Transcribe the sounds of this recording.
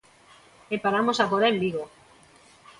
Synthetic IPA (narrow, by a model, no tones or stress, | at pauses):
epaɾamosakoɾaelliɣo